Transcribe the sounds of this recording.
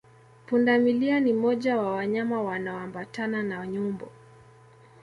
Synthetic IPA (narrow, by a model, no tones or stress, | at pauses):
pundamilianimɔʄawawaɲamawanaɔambatananaɲumbɔ